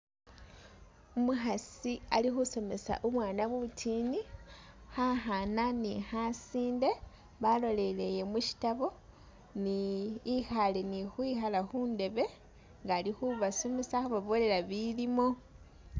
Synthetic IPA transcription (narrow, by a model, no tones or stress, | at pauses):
umuxasialixuso̞me̞sa̰ʔuβwaːnaβutʰinixaxananixasiːnde̞ | βalo̞le̞le̞je̞muʃi̥taβo̞ | niːxalenixwixalaxuːnde̞βe̞ | ŋɡalixuβasomesaxuβaβo̞le̞ɾaβilimo̞